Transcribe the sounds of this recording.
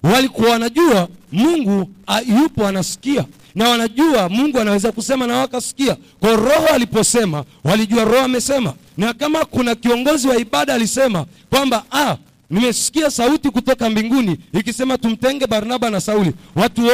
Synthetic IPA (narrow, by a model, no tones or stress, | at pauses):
walikuawanaʄuamuŋɡuajupɔanasi̥kia | nawanaʄuamuŋɡuanawɛzakusɛmanawakasi̥kiakwaɔɾɔhɔalipɔsɛmawaliʄuaɾɔhɔamɛsɛma̰ | nakamakunakiɔŋɡɔziwaiɓaɗaːlisɛma | kwambaa | nimɛsi̥kiasautikutɔkambiŋɡuniːkisɛmatum̩tɛŋɡɛɓaɾinaɓanasauliwatu